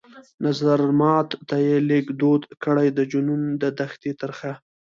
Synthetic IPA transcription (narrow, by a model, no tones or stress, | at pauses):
nazaɾmɑt̪ːajeleɡd̪od̪kəɽajd̪əd͡ʒunumd̪əd̪axt̪et̪aɾxa